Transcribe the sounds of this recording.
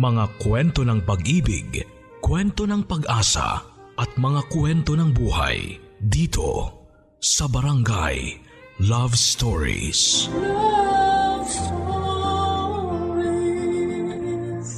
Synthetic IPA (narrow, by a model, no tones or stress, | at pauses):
mɐŋakwɛnt̪o̞nɐŋpɐɡʔiːbɪ̰ɡ | kwɛnt̪o̞nɐŋpɐɡʔaːsɐ̰ʔɐt̪̚mɐŋakwɛnt̪o̞nɐŋbuːha̰j | d̪iːt̪ʰo̞̰ | sɐbɐɾɐŋɡa̰j | lavst̪oɹḭs